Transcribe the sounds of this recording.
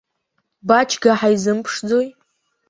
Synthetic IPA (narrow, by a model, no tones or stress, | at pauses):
bat͡ʃʰɡaħajizɨmpʰʂd͡zo̞j